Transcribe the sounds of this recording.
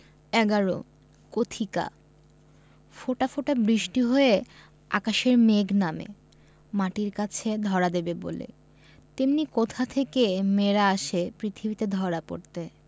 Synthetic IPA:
ɛɡaɾo̰ | kot̪ʰika̰ | foʈafoʈabɾiʃʈiɦoe | a̰kaʃeɾmeɡnamḛ | maʈiɾkat͡ɕʰed̪ʱɔɾad̪ebebo̰lḛ | t̪imnikot̪ʰat̪ʰekemeɾaaʃepɾit̪ʰibit̪ed̪ʱɔɾapo̰ɾt̪e

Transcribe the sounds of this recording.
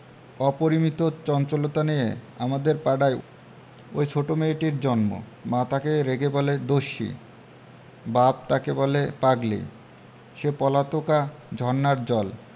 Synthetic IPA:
ɔpoɾimit̪ot͡ɕɔnt͡ɕolot̪anijeamad̪eɾpaɖaj | o̰jt͡ɕʰoʈomeʈiɾd͡ʑɔnmo̰mãt̪akeɾeɡebɔled̪oʃḭ | bab̚t̪akebɔlepaɡlḛj | ʃepɔlat̪okad͡ʑʱɔnːaɾd͡ʑɔl

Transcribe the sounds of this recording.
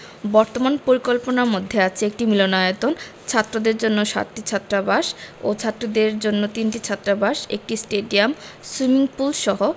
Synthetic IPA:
bɔɾt̪omanpoɾikolponaɾmod̪ʱːeat͡ɕʰeek̚ʈimilonaet̪on | t͡ɕʰat̪ːɾod̪eɾd͡ʑonːoʃa̰t̪ːit͡ɕʰat̪ːɾabaʃo̰t͡ɕʰat̪ːɾod̪eɾd͡ʑonːot̪inʈit͡ɕʰat̪ːɾabaʃḛk̚ʈisʈeɖiam | swimiŋpulʃɔɦo

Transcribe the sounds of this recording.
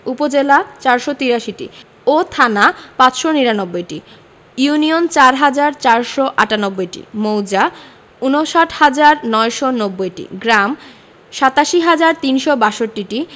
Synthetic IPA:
upod͡ʑelat͡ɕaɾʃɔt̪iɾaʃiʈḭ | ot̪ʰanapat͡ɕʃoniɾanobːojʈi | juniont͡ɕaɾɦad͡ʑaɾt͡ɕaɾʃɔʔaʈanobːojʈḭmowd͡ʑa | unoʃaʈʰhad͡ʑaɾnɔeʃonobːojʈḭɡɾam | ʃat̪aʃiɦad͡ʑaɾt̪inʃobaʃoʈːiʈi

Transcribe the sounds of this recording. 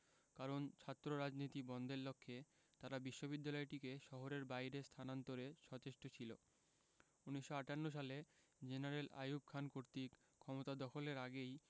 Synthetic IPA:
kaɾont͡ɕʰat̪ːɾoɾad͡ʑnit̪ibɔnd̪ʱeɾlokʰːe | t̪aɾabiʃːobid̪ːalɔeʈikeʃɔɦoɾeɾbajɾest̪ʰanant̪oɾeʃɔt͡ɕeʃʈot͡ɕʰilo | uniʃːoaʈanːoʃ̬ale | d͡ʑenaɾela̰jub̚kʰankoɾt̪ik | kʰːɔmot̪ad̪ɔkʰoleɾaɡej

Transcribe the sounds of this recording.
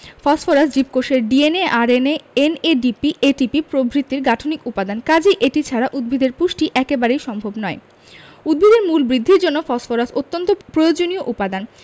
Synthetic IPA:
fɔsfoɾasd͡ʑip̚koʃeɾɖieneʔaɾeneeneɖipiʔeʈipipɾobʱɾit̪ːiɾɡaʈʰonikupad̪ankad͡ʑeʔeʈit͡ɕʰaɾaʔud̪̚bʱid̪ʱeɾpuʃʈiʔɛkebaɾejʃɔmbʱobnɔe | ud̪̚bʱid̪eɾmulbɾid̪ʱːiɾd͡ʑonːofɔsfoɾasot̪ːont̪opɾojod͡ʑonioʔupad̪an

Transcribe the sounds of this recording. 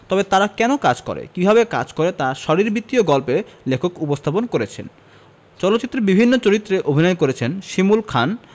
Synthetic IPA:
t̪ɔbet̪aɾakɛnokad͡ʑkɔ̰ɾḛkibʱabeka̰d͡ʑkɔɾet̪aʃɔɾiɾbit̪ːioɡɔlpelekʰokupost̪ʰaponkoɾet͡ɕʰḛn | t͡ɕɔlot̪ːɕit̪ːɾebibʱinːot͡ɕoɾit̪ːɾeʔobʱinɔekoɾet͡ɕʰenʃimulkʰan

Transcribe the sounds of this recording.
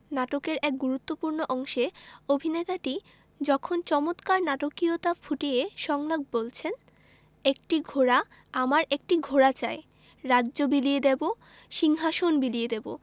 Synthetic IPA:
naʈokeɾɛk̚ɡuɾut̪ːopuɾnoʔɔŋʃeobʱinet̪aʈi | d͡ʑɔkʰont͡ɕɔmot̪kaɾnaʈokiot̪afʰuʈijeʃɔŋlaɡ̚bolt͡ɕʰen | ek̚ʈiɡʱoɾa | amaɾek̚ʈiɡʱoɾat͡ɕae | ɾadːd͡ʑobilijed̪ebo | ʃiŋɦaʃonbilied̪ebo̰

